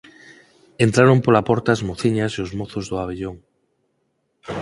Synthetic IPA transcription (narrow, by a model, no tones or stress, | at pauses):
ent̪ɾaɾompolapɔɾt̪azmoθiɲaseozmoθozðoaβ̞eʎoŋ